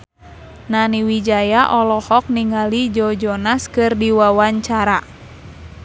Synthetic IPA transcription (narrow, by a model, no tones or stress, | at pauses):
naniwid͡ʒajaʔɔlɔhɔk̚niŋalid͡ʒɔd͡ʒɔnaskɨrdiwawaɲt͡ʃaɾa